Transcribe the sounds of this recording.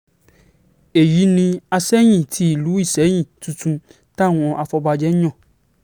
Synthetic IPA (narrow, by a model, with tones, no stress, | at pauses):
e˨ji˨˦nĩ˧a˧sɛ˦j̃ĩ˦˨tʰi˧˦i˨lu˨˦i˦˨sɛ˨˦j̃ĩ˦˨tũ˨˧tũ˧ | ta˦˨w̃ɔ̃˧ʔa˧fɔ˧ba˧d͡ʒɛ˦ɲɔ̃˦˨